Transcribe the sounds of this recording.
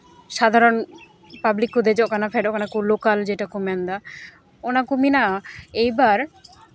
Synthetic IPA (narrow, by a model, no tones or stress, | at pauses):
ʃad̪ʱaɾon | pablikud̪ʱed͡ʑɔkanafʰɛɖokanakulokald͡ʑeʈakumiand̪a | onakuminaejbaɾ